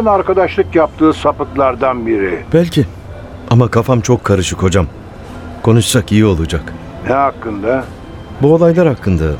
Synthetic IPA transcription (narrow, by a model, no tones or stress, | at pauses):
naɾkad̪aʃlˠɯkjap̚t̪ʰɯːsapɯklˠaɾd̪anbiɾɪb̥ælʲcʰi | amakʰafamt͡ʃʰo̞kʰːaɾɯʃɯkho̞d͡ʒam | kʰo̞nuʃsakijio̞lˠud͡ʒak | nɛɦakːɯnd̪a | buo̞lˠajlˠaɾhakːɯnd̪a